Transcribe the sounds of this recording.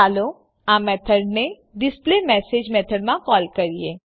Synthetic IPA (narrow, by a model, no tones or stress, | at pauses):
aːlo | aːmɛːt̪ʰəɖne | ɖɪsplemɛːseːd͡ʒmɛːt̪ʰəɽɖmãkɔːlkɐɾieː